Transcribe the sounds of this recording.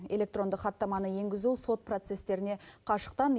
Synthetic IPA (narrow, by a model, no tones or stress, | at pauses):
e̞lʲe̞k̚t̪ro̞nd̪əqχɑt̪ːɑmɑnəje̞ŋɡʲɪzuso̞t̪̚pro̞t̪se̞st̪e̞ɾɪne̞qʰɑʃə̥q̚t̪ɑn